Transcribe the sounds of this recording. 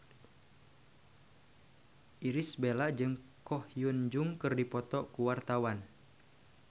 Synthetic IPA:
ʔiɾisbelaʔd͡ʒɨŋkɔhjund͡ʒuŋkɨrdipɔt̪ɔkuwart̪awan

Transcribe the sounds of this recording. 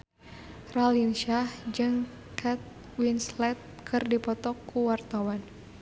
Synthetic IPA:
ralinʃahd͡ʒɨŋ | kʰat̪̚ | winslɛt̪̚kʰɨrdipɔt̪ɔkːuwart̪awan

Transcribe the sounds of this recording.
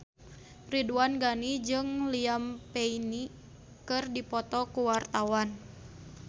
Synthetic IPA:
riduanɡanid͡ʒɨŋliampeini | kɨrdipɔt̪ɔkuwart̪awan

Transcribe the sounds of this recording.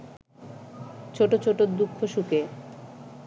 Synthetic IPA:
t͡ɕʰoʈot͡ɕʰoʈod̪ukʰːoʃuke

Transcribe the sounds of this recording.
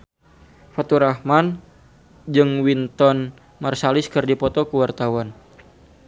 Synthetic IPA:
fɔt̪uɾahman | d͡ʒɨŋwint̪ɔn | marsalɪskɨrdipɔt̪ɔkuwart̪awan

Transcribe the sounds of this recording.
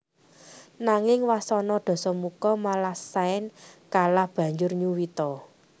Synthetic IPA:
naŋɪŋwasɔnɔd̪̥ɔ̤sɔmukɔmalasaɪnkalahb̥ä̤ɲd͡ʒʊrɲuwit̪ɔ

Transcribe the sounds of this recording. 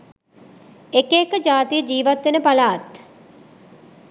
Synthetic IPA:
ekeːkəd͡ʒaːt̪ijəd͡ʒiːʋat̪ʋenəpalaːt̪

